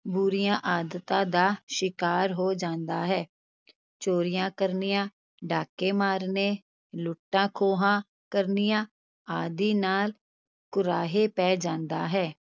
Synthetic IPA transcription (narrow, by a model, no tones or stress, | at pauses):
bʊɾɪjãːʔaːd̪ət̪ãːd̪aːʃɪkaːɾɦoːd͡ʒãːnd̪aːɦɛː | t͡ʃoːɾɪjãːkəɾnɪjãː | ɖaːkeːmaːɾneː | lʊʈːãːkʰoːɦãː | kəɾnɪjãː | aːd̪iːnaːl | kʊɾaːɦeːpɛːd͡ʒãːnd̪aːɦɛː